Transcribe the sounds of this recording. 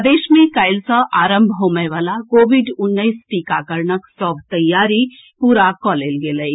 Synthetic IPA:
d̪eʃmẽkajlsə̃ʔaɾəmbʱoməjʋalakoʋiɖʊnːəjsʈikakəɾnəksɔbʱt̪əjːaɾi | puɾakɔlelɡeləj

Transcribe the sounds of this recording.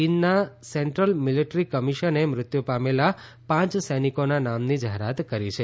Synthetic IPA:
inːasɛɳʈɾəlmiliʈɾikəmiʃənemɾɪt̪jupamela | pãt͡ʃsəjnikonanamnid͡ʒaɦeɾat̪kəɾit͡ʃʰe

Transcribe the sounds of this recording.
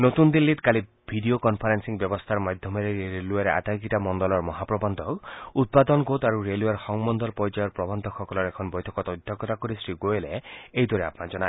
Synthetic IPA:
not̪und̪ilːit̪kali | bʱiɖiokɔnpʰaɾensiŋbjɔbɔst̪ʰaɾmad̪ʱjɔmɔɾeɾeɾeluaɾeʔa̰t̪ajɡitamɔndɔlɔɾmɔɦapɾɔbɔnd̪ʱɔkut̪̚pad̪ɔnɡot̪aɾuɾeluaɾxɔŋmɔnd̪ʱɔɾpɔjd͡ʒɔjɔɾpɾɔbɔnd̪ʱɔxɔkɔlɔɾekʰɔnbɔjt̪ʰɔkɔt̪ɔɔd̪ʱɔkɔt̪akɔɾisɾiɡoeleejd̪wɔɾea̰pnad͡ʒɔna

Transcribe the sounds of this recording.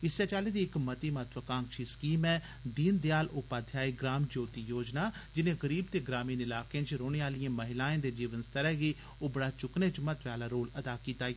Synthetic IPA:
ɪsɛːt͡ʃaːleːd̪iːɪkmət̪iːmət̪ʰʋəkãːŋkʃiːskiːmɛː | d̪iːnd̪jaːlʊpaːd̪ʱjaːiːɡɾaːmd͡ʒoːt̪iːjoːd͡ʒnaːd͡ʒɪnẽːɣəɾiːbt̪eːɡɾaːmiːnɪlaːkeãt͡ʃɾoːɽeːaːlijãːməɦɪlaːẽːd̪eːd͡ʒiːʋənst̪əɾɛːɡeː | oːbəɽaːt͡ʃʊknẽːt͡ʃmət̪ʋaːlaːɾoːləd̪aːkiːt̪aː

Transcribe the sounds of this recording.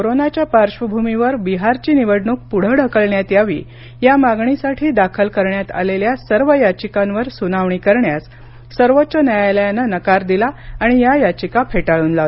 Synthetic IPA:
koɾonat͡ɕjapaɾɕʋəbʱumiʋəɾbiɦaɾt͡ɕiːniʋəɽɳuːk̚puɽ̤əɽʱəkəɭɳjat̪jaʋḭː | jamaɡɳisaʈʰiːd̪akʰəlkəɾɳjat̪a̰leljasəɾʋəjat͡ɕikãnʋəɾsunaʋɳikəɾɳjas | səɾʋot̪ːɕənjajajləjanənəkaɾd̪ilaːɽ̃ijajat͡ɕikapʰeʈaɭuːnlat̪

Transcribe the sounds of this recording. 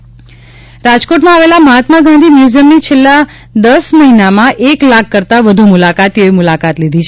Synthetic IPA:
ɾad͡ʒkoʈmãaʋelaməɦat̪maɡãnd̪ʱimjuzəmnit͡ʃʰelːa | d̪əsməɦinamãʔeklakʰːəɾt̪aʋəd̪ʱumulakat̪oimʊlakat̪lid̪ʱit͡ʃʰe

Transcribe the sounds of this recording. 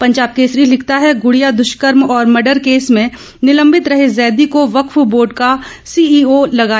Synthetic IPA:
pɐ̃ɲd͡ʒaːb̚keːsɾiːlɪk̚ʰt̪aɦɛɡʊɽijad̪ʊʃkəɾmɔːɾmɐɖəɾkeːsmẽ | nɪlə̃mbɪt̪ɾɐɦezɛːd̪ikoʋɐkfboːɖkasiːiːolɐɡaː

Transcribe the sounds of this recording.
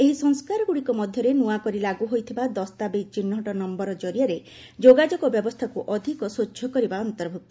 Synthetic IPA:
eɦisɔŋskaɾɔɡuɽikɔmɔd̪ʱjɔɾenuakɔɾilaɡuɦojt̪ʰibad̪ɔst̪abet͡ʃinːɔʈɔnɔmbɔɾɔd͡ʒɔɾijaɾe | d͡ʒoɡad͡ʒɔɡɔbjɔbɔst̪ʰakuʔɔd̪ʱikɔsojɔkɔɾibaɔnt̪ɔɾbʱuk̚t̪ɔ̥

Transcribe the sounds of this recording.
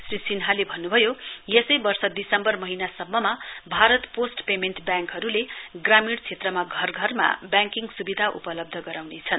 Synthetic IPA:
srisinɦalebʱʌnːubʱʌjojesʌjbʌrsʌd̪isʌmbʌrmʌɦinasʌmːʌmabʱaɾʌt̪posʈpemenʈbjaŋkɦʌɾuleɡramiɽt͡sʰet̪rʌmaɡʱʌrɡʱʌrma̰bjaŋkiŋɡsubid̪ʱaʔṵpʌlʌb̚d̪ʱʌɡʌɾawnet͡sʰʌn

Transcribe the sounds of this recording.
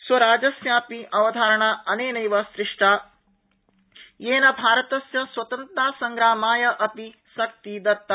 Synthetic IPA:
swɐɾaːd͡ʒɐsjaːpiʔɐʋɐd̪ʱaːɾɐɳaːʔɐneːnɐjʋɐsɾɪʂʈaː | jeːnɐbʱaːɾɐt̪ɐsjɐswɐt̪ɐnt̪ɾaːsɐŋɡɾaːmaːjɐʔɐpi | sɐk̚t̪id̪ɐt̪ːɐ

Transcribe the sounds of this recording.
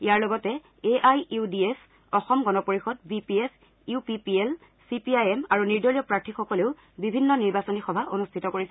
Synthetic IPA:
ijaɹlɔɡɔtɛ | eʔajiudies | ɔxɔmɡɔnɔpoɹixɔd̚bipies | upipiel | sipiajɛmaɹuniɹdɔlijɔpɹatʰixɔkɔleʊ | bibʱinːɔniɹbasɔnixɔbʱaʔonustʰitɔkoɹisɛ

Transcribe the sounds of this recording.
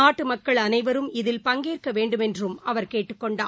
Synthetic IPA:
aːʈːɯmɐkːɐɭɐnɐɪʋɐɾɯmɪðɪlpɐŋɡeːrkɐʋeːɳɖɯmɛndrɯmɐʋɐɾkeːʈːɯkːɔɳɖaː

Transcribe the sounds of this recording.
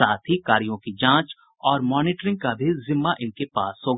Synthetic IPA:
aːt̪ʰɦikaːɾijõkid͡ʒãːt͡ʃ | ɔːɾmɔːnɪːʈɾɪ̃ŋɡ̚kabʱizɪmːaʔɪnkepaːsɦoːɡ

